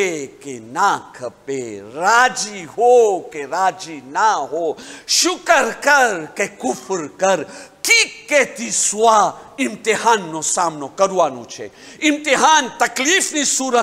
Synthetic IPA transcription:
ekenaːkʰɐpeɾaːd͡ʒiɦokeɾaːd͡ʒinaɦoʃʊkəɾkɐɾkekʊfʰɾkɐɾkikeːt̪isʋa | ɪmt̪iɦaːnːosaːmnokɐɾuaːnṵ̃t͡ʃʰḛ | ɪmt̪iɦaːnt̪ɐkliːfnisuːɾə

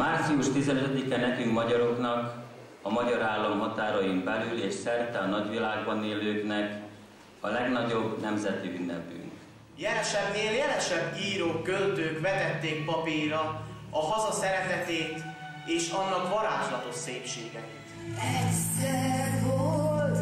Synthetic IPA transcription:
maːrt̪siuʃt̪izɛnøt̪ɛd̪ikɛnɛkyŋkmɒɟɒɾo̞knɒk | ɒmɒɟɒɾaːlːɒmɦɒt̪aːɾɒjimbɛlyleːʃsɛrt̪ɛɒnɒɟʋilaːɡbɒneːløːknɛk | ɒlɛɡnɒɟo̞bnɛmzɛt̪iynːɛpy̰ŋk | jɛlɛʃɛbneːljɛlɛʃɛbːiːɾoːkːølt̪øːkʋɛt̪ɛt̪ːeːk̚pɒpiɾɒ | ɒɦɒzɒsɛɾɛt̪ɛt̪eːt̪ | eːʃɒnːɒkmɒɾaːʒlɒt̪o̞ʃseːpʃeːɡɛit̪ɛɛvolt̪

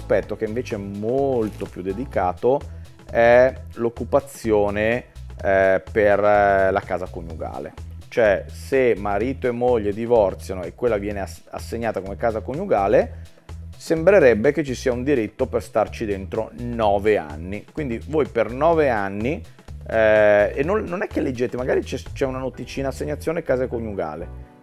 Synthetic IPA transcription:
spɛt̪ːok̟eiɱveːt͡ʃeɛmːolt̪opjud̪ːed̪ikaːt̪o | ɛlokːupat̪sːjoːne | perlakaːzakoɲːuɡa̰ːlḛt͡ʃoɛsemːaɾiːt̪oemːoʎːed̪ivɔrt̪sjanoekːwelːavjɛːnea̰sːeɲːaːt̪akomekaːzakonːuɡaːle | sembɾeɾɛbːek̟et͡ʃːisiːaund̪iɾit̪ːoperst̪art͡ʃid̪ent̪ɾonɔːvea̰nːikwind̪ivoːjpernɔːveanːi | enːonːonɛkːelːed͡ʒːeːt̪emaɡaːɾit͡ʃɛt͡ʃɛunanot̪it͡ʃiːnasːeɲːat̪sːjoːnekːaːzakoɲːuɡa̰ːle

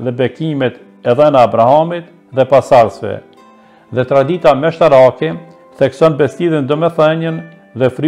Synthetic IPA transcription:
ðɛbɛkimɛt̪ | ɛðɛnaːbɾahamit̪ | ðɛpasaɾsvɛ̰ | ðɛt̪ɾad̪it̪amɛʃt̪aɾakɛ | θɛksɔnbɛst̪iðind̪ɔmɛθɛɲən | ðɛfɾ

